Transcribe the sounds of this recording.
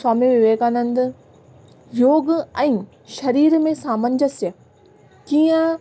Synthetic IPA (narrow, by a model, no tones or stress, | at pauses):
saːmiʋɪʋeːɡanə̃nd̪̆ | joːɡɛ̃ː | ʃɐɾiːɾmẽsãːmə̃ɲd͡ʑəsjə | kiːə̃